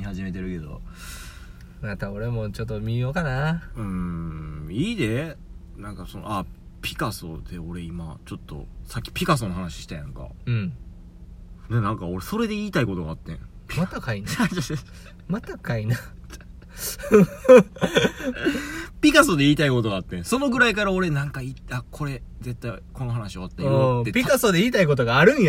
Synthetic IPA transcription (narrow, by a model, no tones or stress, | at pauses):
ɲihaʑime̞t̪e̞ɾɯ̟ke̞d̪o̞̰ | mat̪aoɾe̞mot͡ɕot̪ːomʲijokanaɯ̟̃ | iːd̪e | nãŋkasono̰apʲi̥kaso̞̰d̪̥e̞o̞ɾe̞imat͡ɕo̞t̪ːo̞̰sakʲːi̥pʲikas̬onoɦanaɕi̥ɕi̥t̪ajã̰ŋka̰ɯ̟̃ɴ | nenãŋkao̞ɾe̞so̞ɾe̞d̪e̞iːt̪aiko̞t̪oɡaːt̪ːẽ | pʲmat̪akaina | mat̪akaina | pʲikaso̞d̪e̞iːt̪aiko̞t̪o̞ɡaːt̪ːẽ̞so̞no̞ɡɯ̟ɾaikaɾao̞ɾe̞nãŋkaitakʰo̞ɾe̞ze̞t̪ːaiko̞no̞ɦanaɕio̞at̪ːajot̪ːetpʲikasod̪e̞iːt̪aiko̞t̪oɡaːɾɯ̟̃ɰ̃j